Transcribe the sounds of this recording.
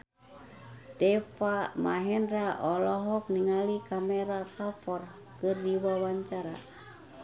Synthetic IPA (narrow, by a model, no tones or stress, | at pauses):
tɛfamaɦɛndɾaʔɔlɔɦɔk̚niŋalikamɛɾakafɔr | kɨrdiwawaɲt͡ʃaɾa